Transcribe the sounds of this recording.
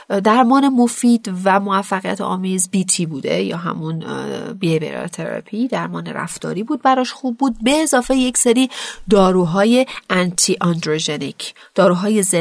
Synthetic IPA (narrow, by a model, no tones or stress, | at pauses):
d̪æɾmɒːne̞mo̞fiːd̪væmovæfːæɣijæ̰t̪ʰɒ̰ːmiːzbiːt̪ʰiːbuːd̪ḛjɒ̰ːɦæ̰munbiebḛɾɒ̰t̪ʰḛɾæ̰pʰid̪æɾmɒːnḛɾæ̰ft̪ɒ̰ːɾiːbuːd̪̚bæɾɒːʃxuːbːuːd̪̚be̞ːzɒːfeje̞cseɾiːd̪ɒːɾuːɦɒːje̞ænt̪ʰiʔɒnd̪ɾod͡ʒenicʰ | d̪̥ɒːɾuːɦɒːjeze